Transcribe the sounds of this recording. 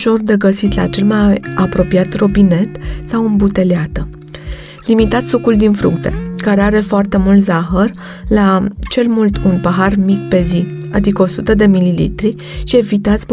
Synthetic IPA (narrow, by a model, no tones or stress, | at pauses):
ʃo̞rd̪e̞ɡəsit̪la̰t͡ʃe̞lmajapɾo̞piat̪ro̞bine̞t̪sawɨnbut̪e̞leat̪ə | limit̪at̪ssukuld̪infɾṵkt̪e̞̥̰kaɾe̞aɾe̞foart̪e̞mult̪zaxər | lat͡ʃe̞lmult̪unpaɦarmikpe̞zi | ad̪ikəo̞sut̪əd̪e̞mililḭt̪ɾi | ʃie̞vit̪at̪sʲp